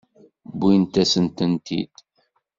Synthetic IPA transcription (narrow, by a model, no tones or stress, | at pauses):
bint̪æsənt̪ənt̪ḭd̪̥